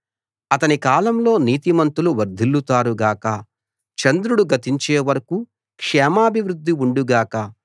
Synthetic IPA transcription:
ɐt̪ɐnikaːlɐmlo̞ːniːt̪imɐnt̪uluʋɐɾd̪ʱilːut̪aːɾuɡaːkɐ | t͡ʃɐnd̪ɾuɽuɡɐt̪iɲt͡ʃeːʋɐɾɐku | kʂɛːmaːbʱiʋɾud̪ʱːiuɳɖuɡaːkɐ

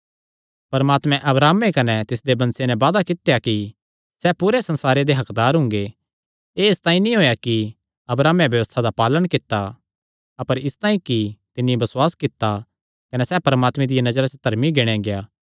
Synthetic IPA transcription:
pɐɾmaːt̪mɛ̃ʔɐbɾaːmːekɐnɛt̪ɪs̬d̪ebɐ̃nsenɛ̃ʋaːd̪akɪt̪jaki | sɛpuɾesɐ̃nsaːɾed̪eɦɐkd̪aːɾɦʊ̃ŋɡe | eːst̪aːĩnĩɦoːjaki | ɐbɾaːmẽbjɐʋəst̪ʰad̪apaːləɽ̃kɪt̪ːa | ɐpəɾɪst̪ãːĩkit̪ɪnːĩbɐswaːskɪt̪ːa | kɐnɛsɛːpɐɾəmaːt̪mẽd̪ɪjanɐd͡ʒɾat͡ʃd̪ʱɐɾmiɡeɽ̃ẽɡejaː

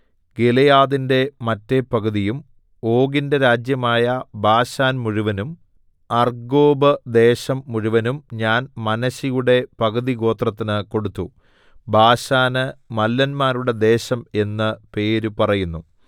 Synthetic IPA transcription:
ɡelɐjaːðinde̞mɐtːe̞pɐɡɐðijum | o̞ːɡindeɾaːd͡ʑjɐmaːjɐbʱaːɕaːnmuɻuʋɐnum | ɐrɡo̞ːbɨd̪e̞ːɕɐmːuɻuʋɐnumɲaːnmɐnɐɕijuɽe̞pɐɣɐðiɡo̞ːt̪rɐt̪ːinɨko̞ɽut̪ːu | bʱaːɕaːnɨmɐlːɐnmaːɾuɽe̞d̪e̞ːɕɐme̞nːɨpe̞ːɾupɐrɐjunːu

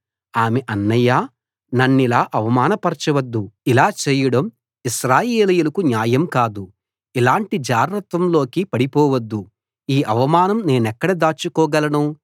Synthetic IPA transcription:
aːmeʔɐnːɐjaː | nɐnːilaːʔɐʋɐmaːnɐpɐɾt͡ʃɐʋɐd̪ːuilaːt͡ʃeːjɐɽɐm | iʃɾaːjeːlɐjulɐkunjaːjɐmkaːd̪u | ilaːɳʈid͡ʒaːɡɾɐt̪ʋɐmlo̞ːkipɐɽipɔːʋɐd̪ːu | iːʔɐʋɐmaːnɐmne̞ːnɛkːɐɽɐd̪aːt͡ʃːukɔːɡɐlɐnu

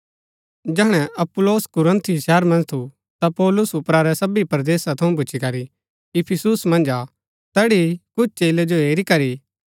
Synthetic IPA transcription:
d͡ʒɛːɽ̃ɛʔɐpʊloːskʊɾə̃nt̪ʰijʃɛːɾmɐ̃nd͡ʒt̪ʰu | t̪apɔːlʊsʊpɾaɾɛsɐbipɾɐd̪eːsat̪ʰɐũp̬ʊːt͡ʃʰikɐɾi | ɪpʰɪsusmɐ̃nd͡ʒa | t̪ɛːɽikʊt͡ʃʰt͡ʃeːled͡ʒoeːɾikɐɾi

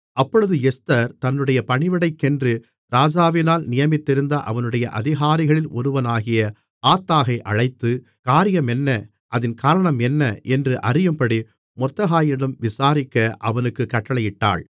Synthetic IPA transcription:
ɐpːɔɻɯðɯɛst̪ɐɾt̪ɐnːɯɽɐjɐpɐɳɪʋɐɽɐɪkːɛndrɯ | ɾaːd͡ʒaːʋɪnaːlnɪjɐmɪt̪ːɪɾɯnd̪ɐʔɐʋɐnɯɽɐjɐʔɐðɪɣaːɾɪɣɐɭɪlɔɾɯʋɐnaːɣɪjɐ | aːt̪ːaːɣɐɪʔɐɻɐɪt̪ːɯ | kaːɾɪjɐmɛnːɐ | ʔɐðɪnkaːɾɐɳɐmɛnːɐʔɛndrɯʔɐrɪjɯmpɐɽi | mɔt̪ːɐɣaːjɪɽɐmʋɪsaːɾɪkːɐʔɐʋɐnɯkːɯkːɐʈːɐɭɐjɪʈːa̰ːɭ

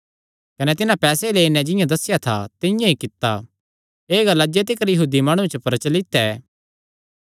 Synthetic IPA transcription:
kɐnɛt̪ɪnãpɛːsɛleːinɛ̃d͡ʒɪjãd̪ɐsːɪjat̪ʰa̰t̪ɪjãikɪt̪ːa̰ | eːɡɐlad͡ʒet̪̬ɪkəɾjɐɦuːd̪imaːɽ̃ut͡ʃəpɐɾət͡ʃəlɪt̪ːɛ

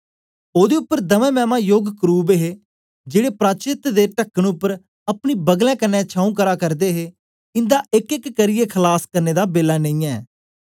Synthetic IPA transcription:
oːd̪eːʊpːəɾd̪əʋɛ̃ːmɛːmaːjoːɡkɾuːbeɦeː | d͡ʒeːɽeːpɾaːt͡ʃɪt̪d̪eːʈəkːəɳʊpːəɾ | əpɳ̃iːbəɡlɛ̃ːkənːɛ̃ːt͡ʃʰãːũːkəɾaːkəɾd̪eːɦeː | ɪ̃nd̪aːʔɪkɪkːəɾɪjekʰəlaːskəɾneːd̪aːbeːlaːnẽĩːɛː

